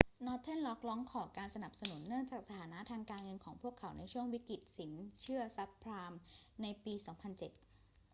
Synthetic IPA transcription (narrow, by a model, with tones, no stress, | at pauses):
nɔː˦˥t̪ʰːe˥˩nlɔ˦˥k̚lɔː˦˥ŋkʰɔː˨˩kaː˧nsa˧na˨˩p̚sa˧nu˩˦nːɯ˥˩əŋt͡ɕaː˨˩k̚sa˧t̪ʰaː˩˦na˦˥t̪ʰaː˧ŋkaː˧nŋɤ˧nkʰɔː˩˦ŋpʰu˥˩əkʰːa˩˦wna˧jt͡ɕʰu˥˩əŋwi˦˥ki˨˩t̪̚si˩˦nt͡ɕʰɯ˥˩ɐsa˦˥pʰːɾaː˧mna˧jpiː˧sɔː˩˦ŋpʰa˧nt͡ɕe˨˩t̪̚